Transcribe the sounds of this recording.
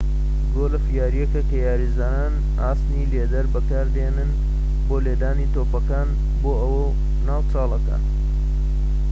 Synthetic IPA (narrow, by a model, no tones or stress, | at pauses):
ɡoːlɐfijaːɾijekɐkɐjaːɾizaːnaːn | aːst̪nileːd̪ɐɾbɐkaːɾd̪ɐenɨn | boːleːd̪aːnit̪oːpɐkaːn | boːɐwɐ | naːwt͡ʃɑːlˠɐkɐ̰